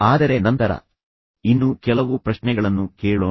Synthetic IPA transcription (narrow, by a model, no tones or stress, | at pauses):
aːd̪ɐɾe̞nɐnt̪ɐɾɐ̰ | inːukɛlɐʋupɾɐʃnɛɡɐɭɐnːukeːɭoː